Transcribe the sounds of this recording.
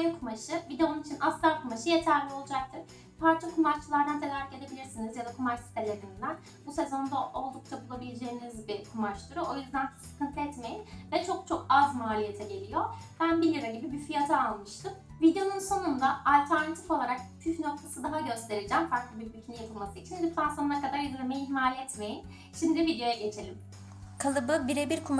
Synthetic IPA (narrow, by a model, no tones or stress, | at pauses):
ejkʰumaʃɯvid̪eonunit͡ʃʰinʔasˠaːkʰumaʃɯje̞t̪ʰæɾlʲio̞lˠud͡ʒak̚t̪ʰɯɾ̥ | pʰaɾt͡ʃʰakʰumaɾt͡ʃʰɯlˠaɾd̪ant̪ʰelɾace̞d̪e̞bilʲiɾsinizjad̪akʰumaɾsi̥t̪ʰe̞lʲe̞ɾind̪æn | buse̞zo̞nd̪aʔo̞lˠd̪ukt͡ʃʰabulˠabilʲed͡ʒe̞jinizbikʰumaɾt͡ʃt̪ʰuɾuʔo̞jyzd̪ænt͡ʃʰosɯ̥kɯnt̪ʰɯɛt̪me̞jinvɛt͡ʃʰo̞k̚t͡ʃʰo̞kazmaːlʲije̞t̪ʰɛɟe̞lʲijo̞b̥ænbiɾjaɾaɟibibifijat̪ʰaːlˠmɯʃt̪ɯmvid̪ejo̞nunso̞nund̪aalʲt̪ʰæɾnat̪ʰifo̞lˠaɾak̚pʰyçno̞k̚t̪ʰasɯd̪aɦaɟø̞st̪ʰe̞ɾed͡ʒæːmfaɾklˠɯbiɾbycʰinijapʰɯlˠmasɯit͡ʃʰind̪ifansonnakad̪aɾjiɡ̪lʲeme̞jiːɦmaːlʲɛt̪me̞jin | ʃimd̪ivid̪ejo̞jaɟe̞t͡ʃʰe̞lʲim | kʰalˠɯbɯbiɾebiɾkʰum